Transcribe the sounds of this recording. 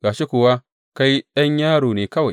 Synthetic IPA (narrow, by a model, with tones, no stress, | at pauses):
ɡaː˨ʃi˦kʊ˨wa˦ | ka˦jja˦ɲjaː˦ɽoː˨neː˨kɐ˦wa˨